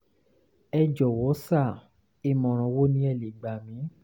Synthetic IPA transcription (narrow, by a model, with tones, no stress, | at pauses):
ɛ˧d͡ʒɔ˨wɔ˨˦sa˦˨ | i˦˨mɔ̃˨ɾ̃ɔ̃˨wo˦nĩ˦ɛ˧˨le˨ɡ͡ba˨mĩ˨˦